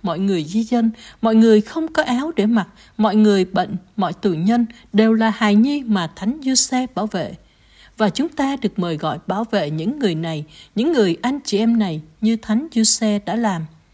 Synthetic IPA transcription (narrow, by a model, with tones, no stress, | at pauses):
mɔ̰˧˨jŋɨ˨˩əjzi˧zə˧nmɔ̰˧˨jŋɨ˨˩əjxə˧wŋ͡mkɔ˨˦ʔaː˨˦wɗe˧˩ma˨˩t̚ | mɔ̰˧˨jŋɨ˨˩əjɓḛ˧˨jŋ̟mɔ̰˧˨jt̪ɨ̰˧˨ɲə˧n | ɗe˨˩wlaː˨˩haː˨˩jɲi˧maː˨˩t̪ʰa˨˦jŋ̟zu˧sɛ˧ɓaː˧˩wvḛ˧˨ | vaː˨˩t͡ɕʊ˨˦ŋ͡mt̪aː˧ɗɨ˨˩ək̚məː˨˩jɣɔ̰˧˨jɓaː˧˩wvḛ˧˨ɲɨ̰˧˥ŋːɨ˨˩əjna˨˩jɲɨ̰˧˥ŋːɨ˨˩əjʔa˧jŋ̟t͡ɕi˨˩ʔɛ˧mna˨˩jɲɨ˧t̪ʰa˨˦jŋ̟zu˧sɛ˧ɗa̰ː˧˥laː˨˩m